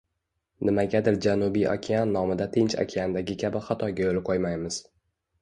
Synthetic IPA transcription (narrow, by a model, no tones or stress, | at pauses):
nɪmaɡʲad̪ɪɾd͡ʒanubijʔa̰kʲʰianːɒmɪd̪at̪ʰɪnt͡ʃa̰kʲʰiand̪aɡʲɪkʲʰabɪχɑt̪ʰɒɡʲajolɪqʰojmajmɪz̥